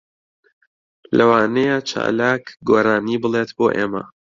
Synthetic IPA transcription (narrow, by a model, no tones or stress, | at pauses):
lɐwaːnejat͡ʃʰa̰ːlaːkɡoːɾaːniːbɨlˠet̪boːʔḛːmɐ̰